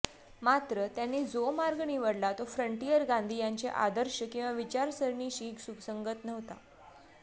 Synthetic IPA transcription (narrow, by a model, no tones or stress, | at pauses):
mat̪ɾət̪janːiːd͡zomaɾɡɳiʋəɽlat̪ofɾəɳʈijəɾɡãnd̪ʱiːjaɲt͡seʔa̰d̪əɾɕəkĩw̃ʋaʋit͡ɕaɾsəɾɳiːɕiːksuksəŋɡət̪nəʋt̪a̰